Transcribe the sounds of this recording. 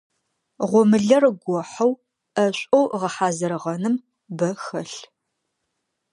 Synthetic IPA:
ʁʷɔmɨɮɐrɡʷɔħɐw | ʔɐɕʷʼowʁɐħaːzɐɾɨʁɐnɨm | bɐxɐɬ

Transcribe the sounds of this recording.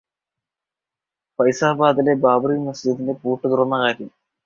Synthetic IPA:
pɐjsaːbaːd̪ilebaːbɾiːmɐsd͡ʑid̪inde̞puːʈːɨkiɾunːɐkaːɾjɐm

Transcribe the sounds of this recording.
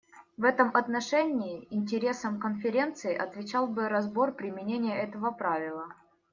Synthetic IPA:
vɛt̪əmʔɐt̪nɐʂɛnʲɪːɪnʲtʲɪɾʲe̞səmkənfʲɪɾʲe̞nt̪sɨɪʔɐt̪vʲɪt͡ɕalˠbɨɾɐzbo̞rpɾʲɪmʲɪnʲenʲɪjəɛt̪əvəpɾavʲɪlˠə

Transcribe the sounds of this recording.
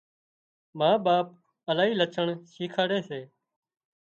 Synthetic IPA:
mãːɓaːp̚ | əlaːɦiːlət͡ʃʰəɳʃiːkʰaːɽeːseː

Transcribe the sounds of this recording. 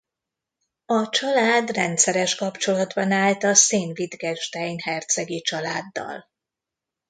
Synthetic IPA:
ɒt͡ʃɒlaːd̪rɛnt̪sɛɾɛʃkɒpt͡ʃo̞lɒd̪bɒnaːlt̪ɒseːnvid̪ɡɛʒd̪ɛjnhɛrt̪sɛɡit͡ʃɒlaːd̪ːɒ̰l

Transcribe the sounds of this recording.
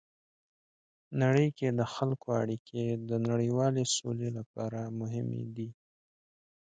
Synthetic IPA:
naɽəjked̪əxalkoaɽikʰed̪ənaɽəwɑleso̰lelapɑɾamʊɦɪmḛd̪i

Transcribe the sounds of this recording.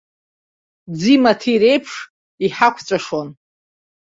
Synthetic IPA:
d͡zimatʰiɾe̞jpʰʂ | iħakʷʰt͡sʷʼaʂon

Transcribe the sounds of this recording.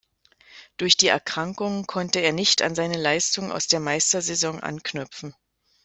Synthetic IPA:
d̥ʊɐçd̥iːʔɛ̰ɐkʁ̥aŋkʊŋənkʰɔntəeːɐnɪçta̰nzaɪnəlaɪstʊŋənʔa̰ʊsd̥eːɐmaɪstɐzezɔŋʔa̰nknʏpp͡fn̩

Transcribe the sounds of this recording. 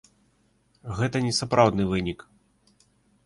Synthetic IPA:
ɣɛt̪ɐnʲɛsapɾawd̪nɨvɨnʲik

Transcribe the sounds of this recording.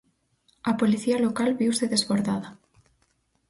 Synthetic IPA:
apoliθialokalβiwseðezβoɾða̰ða

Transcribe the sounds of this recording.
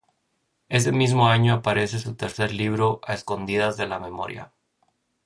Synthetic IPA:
e̞s̬e̞mizmo̞aɲo̞apaɾe̞se̞sut̪e̞ɾse̞ɾliβ̞ɾo̞ʔaesko̞nd̪iðazðe̞lame̞mo̞̰ɾja̰

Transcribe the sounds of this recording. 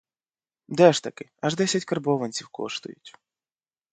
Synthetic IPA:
d̪ɛʃt̪ɐkɪɐʒd̪ɛsʲɐtʲkɐrbɔʋɐnʲt͡sʲiwkɔ̰ʃt̪ʊ̰jʊ̰tʲ

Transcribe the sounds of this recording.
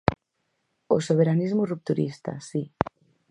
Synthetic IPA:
osoβ̞eɾanizmurup̚t̪uɾist̪a̰si

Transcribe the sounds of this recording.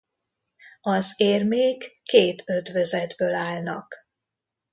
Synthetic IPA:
ɒzeːrmeːkːeːt̪ʰød̪vøzɛd̪bøːlaːlnɒk

